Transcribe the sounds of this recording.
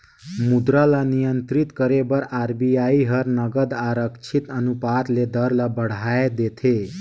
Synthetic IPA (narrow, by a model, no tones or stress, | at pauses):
mud̪ɾalanijənt̪ɾit̪kəɾebəɾaɾbijaiɦəɾnəɡəd̪aɾəkt͡ʃʰit̪ənupat̪led̪əɾlabəɽ̤aed̪et̪ʰe